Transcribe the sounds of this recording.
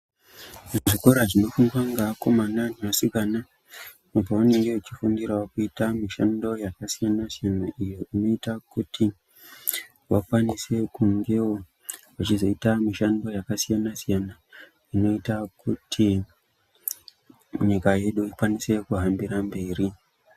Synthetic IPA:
ʐiko̞ɾaʐino̞fuŋɡwaŋɡako̞mananinasikana | nobaoneijo̞it͡ʃifundiɾawakuitamiʃando̞jakasijanasijanaʔijo̞ʔino̞itakutʰi | wakwanise̞kuŋɡe̞wo | wat͡ʃizo̞itamiʃando̞jakasijanasijana | ino̞itakutʰi | ɲikaje̞ɗuikwanise̞kuɦambiɾambe̞ːri

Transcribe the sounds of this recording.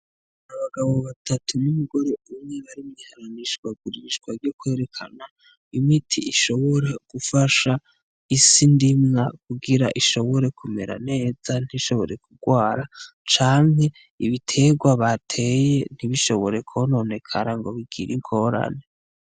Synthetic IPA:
naβaɡaβo̞βatʰatunumuɡo̞ɾe̞umŋe̞βaɾimɡihaɾaniʃɡwaɡuɾiʃɡwaɾɟokwe̞ːɾe̞kʰana | imitʰiiʃo̞βoɾe̞ɡ̥ufaʃa | isindimŋakuɡiɾaʔiʃo̞βo̞ɾe̞kume̞̰ɾa̰ne̞ːz̥an̥iʃo̞βo̞ɾe̞kuɡwaːɾat͡ʃaːŋɦe̞ | iβitʰe̞ɡwaβatʰe̞jen̥iβiʃo̞βo̞ɾe̞kʰono̞ne̞kʰa̰ɾaŋɡo̞βiɡḭɾiŋkʰo̞ɾa̰ne

